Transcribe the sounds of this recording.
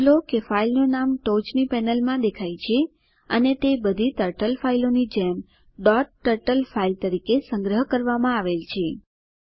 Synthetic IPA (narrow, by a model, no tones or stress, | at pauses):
lokefailnonamʈod͡ʒnipɛnəlmãd̪ekʰajt͡ʃʰe | ənet̪ebəd̪ʱit̪əɾʈəlfailonid͡ʒɛm | ɖɔʈːəɾʈəlfailt̪əɾikesə̃ŋɡɾəɦkəɾʋamãaʋelt͡ʃʰe